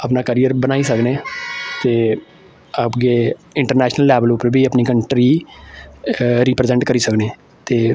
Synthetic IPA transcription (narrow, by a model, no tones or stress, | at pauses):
əpnaːkəɾijəɾbənaːiːsəkneːt̪eː | əpɡeːɪɳʈəɾnɛːʃnəlːɛːʋəlupəɾbʱiːəpniːkəɳʈɾiː | ɾiːpɾezɛ̃ɳʈkəɾiːsəkneː | t̪eː